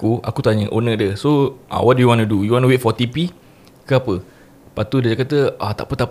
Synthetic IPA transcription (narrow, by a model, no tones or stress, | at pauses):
kua̰kut̪aɲəʔonək̚dəsoʔã̰wɔt̚dujuwãnudujuwãntuwet̪̚fɔt̪ipi | kəapə | pat̪udəd͡ʒakat̪əat̪a̰ʔpət̪aʔp